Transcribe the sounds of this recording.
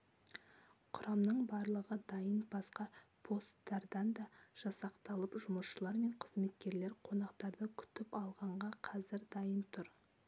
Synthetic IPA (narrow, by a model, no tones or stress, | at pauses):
qʰʊɾɑmnəɴbɑɾlˠəʁəd̪ɑjənbɑsqɑpʰo̞st̪ːɑɾd̪ɑnd̪ɑʒ̥ɑsɑqt̪ɑlˠəpʒʊməsʃəlˠɑɾme̞ɴqʰəzme̞t̪kʲe̞ɾle̞ɾqʰo̞nɑqt̪ɑɾd̪əkʲʰʏ̥t̪ɪpɑlˠʁɑɴʁɑqʰɑzɪɾd̪ɑjənt̪ʰʊɾ